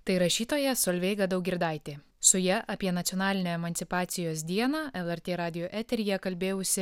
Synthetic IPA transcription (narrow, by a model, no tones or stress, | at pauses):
t̪ɐɪɾɐʃʲiːt̪oːjɛsoːlʲʋʲɛɪɡɐd̪ɐʊkɡʲɪɾd̪ɑˑɪt̪ʲeː | sʊjɛʔʔɐpʲiɛnɐt̪sʲiɔnɑːlʲɪnʲoːɛmɐnʲt̪sʲɪpɑːt̪sʲɪjoːs̬d̪ʲiɛnɑːʔɛlˠɛɾʲt̪ʲeːɾɑːd̪ʲɪjoːʔæːt̪ʲɛɾʲijɛkɐlʲbʲeːjʊsʲɪ